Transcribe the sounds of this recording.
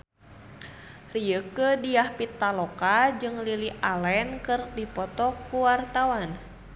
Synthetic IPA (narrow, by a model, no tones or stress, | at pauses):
rijəkədijahpit̪ːalɔkad͡ʒɨŋliliʔalɛnkɨrdipɔt̪ɔkuwart̪awan